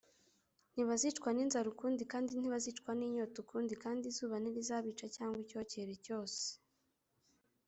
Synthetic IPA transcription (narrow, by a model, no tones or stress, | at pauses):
n̥iβazit͡ʃkwaniːnzaɾukuːndikaːndin̥iβazit͡ʃkwaniːɲotukuːndikaːndizuːβaniɾizaːβiːt͡ʃacaːŋɡwico̞ːce̞ɾeco̞ːse̥